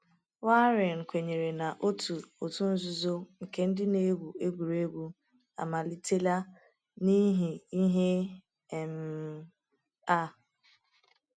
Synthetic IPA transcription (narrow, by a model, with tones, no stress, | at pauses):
wa˦ɾɪ˨ŋ̩˨kʷe˨ɲe˨ɾe˨na˨ʔo˦tu˨o˨tu˦n̩˦zu˦zo˦ŋ̩˨ke˦n̩˦dɪ˦ne˦ɡʷu˨e˦ɡʷu˨ɾe˦ɡʷu˦ | a̰˨ma˨li˦te˦la˦ | ni˦ɦi˨i˦ɦe˦˨ | m̩˨ | a˦˨